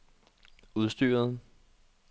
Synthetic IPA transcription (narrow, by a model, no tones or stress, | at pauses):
uð̞ˠsd̥y̰ːɐðˠ